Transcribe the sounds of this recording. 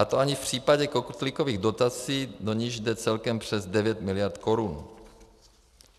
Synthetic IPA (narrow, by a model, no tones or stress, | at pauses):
at̪oaɲɪfpr̝̥iːpaɟɛkokut̪lɪko̞viːɣdo̞t̪at͡siːdo̞ɲɪʒdɛt͡sɛlkɛmpr̝̥ɛzdɛvjɛt̪mɪlɪjaɾt̪ko̞ɾun